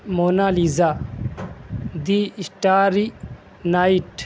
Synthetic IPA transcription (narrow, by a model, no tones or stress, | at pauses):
monaliza | d̪iisʈaːɾi | naiʈ